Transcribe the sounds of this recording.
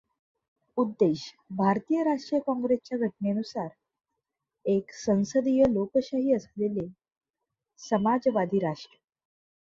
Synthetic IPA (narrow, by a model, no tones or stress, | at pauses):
ud̪ːeɕ | bʱaɾt̪ijəɾaʂʈɾijəkɔ̃ŋɡɾest͡ɕjaɡʱəʈ̚neənusaɾ | eksə̃w̃səd̪ijəlokɕaɦiːəslele | səmad͡zʋad̪ʱiːɾaʂʈɾə